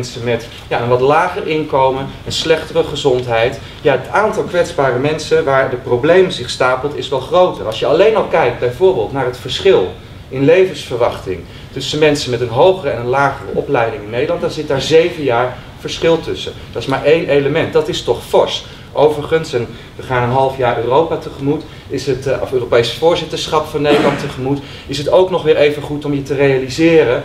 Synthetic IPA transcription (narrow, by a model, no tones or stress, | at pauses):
nsəmɛt | jaːənʋɑtlaːχəɹʔɪŋkowmənənslɛχtərəχəzɔntɦɛjt | jaːɦətaːntɑlˠkʋɛtzbaːrəmɛnsənʋaːɹdəprowblejməzɪχstaːpəlˠtɪsʋɛlˠχrowtərɑlˠsjəɑlejnɑlˠkɛjk̚d̚bɛjvʊːɹbɪːlˠtnaːɹɦətfəɹsχɪlˠ | ɪnlejvənsfəɹʋɑχtɪŋ | tɵsənmɛnsənmɛtənɦowχərəɛnənlaːχərə̰ʔɔplɛjdɪŋɪnːejdəlɑntdɑnzɪt̚daːɹzejvəjaːɹ | v̥əɹsχɪlˠtɵsə | dɑtɪ̥smaːɹʔejnʔejləmɛnt̚dɑtɪstɔχfɔɹst | ʔowvəɹχənsɛn | ʋəχaːnənɦɑlˠfjaːɹøːrowpatəχəmut | ɪsətɔføːropejsfʊːɹzɪtəɹsχɑpfɑnːejdəlɑntəχəmut | ɪsɦətowknɔχʋɪːɹejvənχutɔmjətərejalizɪːrə